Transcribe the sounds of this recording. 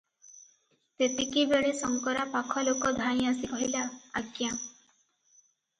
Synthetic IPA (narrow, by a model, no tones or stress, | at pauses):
t̪et̪ikibeɭesɔŋkɔɾapakʰɔlokɔd̪ʱãj̃asikɔɦilaːkjã